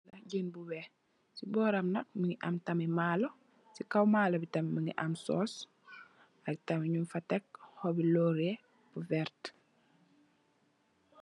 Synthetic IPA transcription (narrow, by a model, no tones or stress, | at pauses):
nɐɟənbuwɛ | sibɔːɾɐmnɐk̚miŋiʔɐmtɐmɛmaːlo | sikawmaːlɐbitɐmɛmiŋḭʔɐmsɔ̰ːs | ɐk̚tɐmiɲunfɐtɛk̚hɔbilɔːɾɛ | buvɛɾt